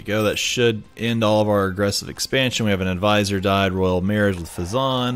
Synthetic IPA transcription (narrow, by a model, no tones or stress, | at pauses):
ɡ̥oʊðɨtʃɨɾʔɛ̃ndɔlˠʌvaʊə˞ɨɡɹɛsɨvɨ̰kspæ̃nʃɨ̃nwiɨvɨ̃nɨdvaɪzə˞daɪd̚ɹɔɪl̩ˠmɛɹɨd͡ʒwəð̥fɨzɑ̃n